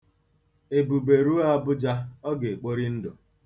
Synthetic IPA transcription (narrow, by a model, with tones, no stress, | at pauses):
e˨bu˨be˨ɾu˦a˦bʊ˦d͡ʒa˦ɔ˦ɡe˨k͡po˦ɾi˦n̩˦do˨